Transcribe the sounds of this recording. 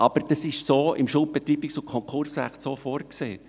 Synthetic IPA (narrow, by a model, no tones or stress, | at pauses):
ʔɑb̥əɾd̥ɑsɪʃsoːɪmʃʊl̚b̥ɛt̪riːbiksʊkʰɔŋkχʊɾsræ̰χtsoːfɔːɾkseː